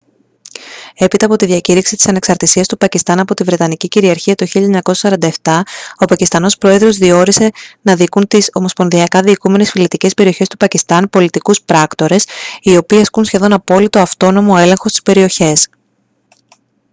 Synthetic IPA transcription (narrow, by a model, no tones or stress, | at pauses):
e̞pit̪ɐːpo̞t̪iðiɐciɾiksit̪i̥sɐne̞ksɐɾt̪isiɐst̪upɐcist̪ɐnɐpo̞t̪ivɾe̞t̪ɐniciciɾiɐɾçiɐt̪oçiʎɐeɲɐko̞sɐsɐɾɐnd̪ɐeft̪ɐo̞pɐcist̪ɐno̞spɾo̞e̞ðɾo̞zðio̞ɾise̞nɐðikunt̪iso̞mo̞spo̞nðiɐkɐðiːkume̞ne̞sfilit̪ice̞spe̞ɾio̞çe̞st̪u̥pɐcist̪ɐnpo̞lit̪ikuspɾɐkt̪o̞ɾe̞sio̞piːɐskunsçe̞ðo̞nɐpo̞lit̪o̞ɐft̪o̞no̞mo̞e̞le̞ŋxo̞st̪i̥spe̞ɾio̞çe̞s